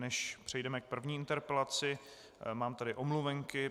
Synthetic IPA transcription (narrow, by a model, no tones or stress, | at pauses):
nɛʃpr̥ɛjdɛmɛk̚pr̩vɲiːɪnt̪ɛɾpɛlat͡sɪ | maːmt̪adɪʔomluvɛŋkɪ